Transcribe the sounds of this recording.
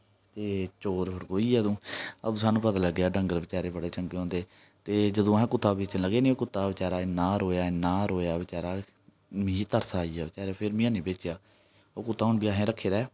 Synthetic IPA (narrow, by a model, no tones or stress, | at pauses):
t̪eːt͡ʃoːɾpʰəɾkoːiːɛːd̪õːəd̪õːsaːnũːpət̪aːləɡːeaːɖə̃ŋɡəɾʋɪt͡ʃaːɾeːbəɽeːt͡ʃəŋɡeõːnd̪eː | t̪eːd͡ʒəd̪õːɦɛ̃ːkʊt̪ːaːbeːt͡ʃnləɡeːnĩːoːkʊt̪ːaːʋɪt͡ʃaːɾaːɪnːaːɾoːjaːɪnːaːɾoːjaːʋɪt͡ʃaːɾaː | mĩːt̪əɾsʰaːiːaːʋɪt͡ʃaːɾeaːpʰɪɾmĩãːnĩːbeːt͡ʃjaː | oːkʊt̪ʰːaːɦʊɳbiːaːɦẽːɾəkʰːeːɾɛː